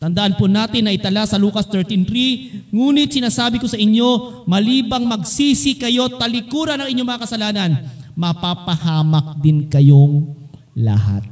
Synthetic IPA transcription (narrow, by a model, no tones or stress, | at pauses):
t̪ɐnd̪ɐʔanponaːt̪ɪnːɐʔɪt̪ɐlasɐluːkɐst̪ɛɹt̪int̪ɾiŋuːnɪt̪̚sɪnaːsaːbɪko̞sɐʔɪɲo̞mɐliːbɐŋmɐɡsiːsɪkɐjo̞t̪ɐlɪkuːɾɐnɐŋʔɪɲo̞mɐŋɐkɐsɐlaːnɐn | mɐpapɐhaːmɐk̚d̪ɪnkɐjo̞ŋ | lɐ̰ha̰t̪̚